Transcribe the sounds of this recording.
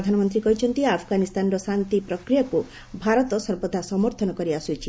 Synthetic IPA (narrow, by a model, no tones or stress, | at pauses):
d̪ʱanɔmɔnt̪̬ɾikɔɦit͡ʃʰɔnt̪iapʰɡanist̪anɾɔsant̪ipɾɔkɾijaku | bʱaɾɔt̪ɔsɔɾbɔd̪ʱasɔmɔɾt̪ʰɔnɔkɔɾiasut͡ʃʰi